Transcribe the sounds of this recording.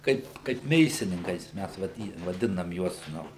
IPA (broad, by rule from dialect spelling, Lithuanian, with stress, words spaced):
ˈkɐɪp kɐɪp ˈmʲeːsʲɪnʲɪŋkɐɪs ˈmʲæs ʋɐˈdʲiː ʋɐˈdʲɪnɐm ˈjuɔs ˈnʊ